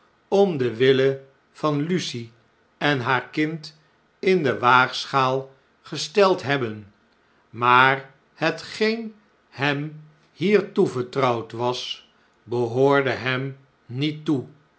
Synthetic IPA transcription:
ɔmdəʋɪlə | v̥ɑnlysi | ɛnɦaːɹkɪnt | ɪndəʋaːχsχaːlˠ | χəstɛlˠtɦɛbən | maːr | hətχejn | hɛm | hiːɹtuvəɹtrʌwtʋɑs | bəɦoːɹdəɦɛm | nitːu

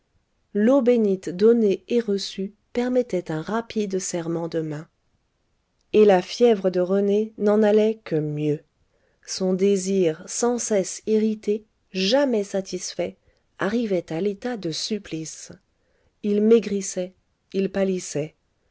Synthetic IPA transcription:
lobenit̪d̪ɔneeʁəsy | pɛʁmɛt̪ɛt̪ɛ̃ʁapid̪sɛʁmɑ̃d̪əmɛ̃ | elafjɛvʁəd̪əʁənenɑ̃nalɛkəmjø | sɔ̃d̪eziʁsɑ̃sɛsiʁit̪e | ʒamɛsat̪ʰisfɛ | aʁivɛt̪alet̪ad̪əsyplis | ilmeɡʁisɛ | ilpalisɛ

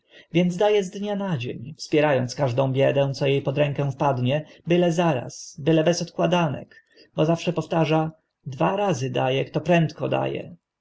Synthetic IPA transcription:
vʲjɛnd̪zd̪ajɛzd̪ɲanad͡ʑḛɲfspʲjɛɾajɔnt̪skaʐd̪ɔ̃w̃bʲjɛd̪ɛ̃w̃t̪sɔjejpɔd̪ɾɛŋkɛw̃fpad̪ɲɛbɘlɛzaɾa̰sbɘlɛbɛsɔt̪kwad̪anɛ̰k | bɔzafʂɛpɔft̪aʐa | d̪vaɾazɘd̪ajɛkt̪ɔpɾɛnt̪kɔd̪a̰jɛ̰

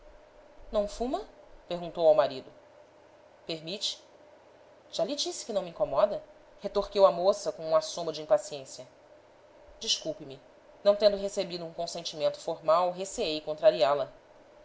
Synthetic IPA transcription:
nɐ̃w̃fũmɐpeɾɡũnt̪owawmaɾid̪ʊ | peɦmit͡ʃɪ̥ | ʒ̥alid͡ʒisɪ̥kɪnɐ̃w̃mĩŋkomɔd̪ɐ | het̪oɾkewɐmosɐkõũasõmɐd͡ʒiĩpasiẽsjɐ | d͡ʒiʃkuwpɪmi | nɐ̃w̃t̪ẽnd̪ʊɦesebid̪ʊũkõsẽnt͡ʃimẽnt̪ʊ̥foɾmawɦeseejkõnt̪ɾaɾialɐ

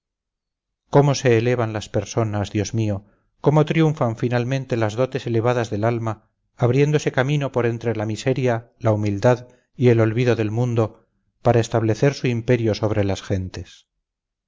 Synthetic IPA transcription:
ko̞mo̞se̞ːle̞β̞anlaspe̞ɾso̞nazðjo̞zmio̞ | ko̞mo̞t̪ɾjuɱfaɱfinalmẽnt̪e̞lazðo̞t̪e̞se̞le̞β̞aðazðe̞lalmaː | βɾje̞nd̪ose̞kamino̞po̞ɾent̪ɾe̞lamise̞ɾja | laumild̪að | ie̞lo̞lβiðo̞ðe̞lmũnd̪o̞ | paɾaest̪aβle̞θe̞ɾsuimpe̞ɾjo̞so̞β̞ɾe̞lasxe̞nt̪e̞s

